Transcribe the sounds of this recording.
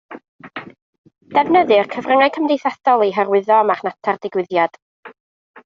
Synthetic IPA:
d̥ɛvnəðɨrkʰəvrəŋaj̚kʰəmdejθaθɔlˠiɦərwɪðɔmaχnatʰardɪɡwɪðjad̥

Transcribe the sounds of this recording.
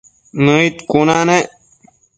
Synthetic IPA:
nəit̪kunane

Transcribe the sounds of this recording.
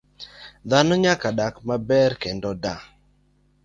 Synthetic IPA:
d̪anɔɲakaɗakmabɛɾkɛndɔda

